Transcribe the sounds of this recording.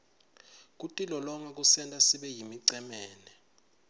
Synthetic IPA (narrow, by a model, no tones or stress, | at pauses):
k̬ʼutʼilɔlɔŋak̬ʼusɛntʼasiɓɛjimiǀɛmɛːnɛ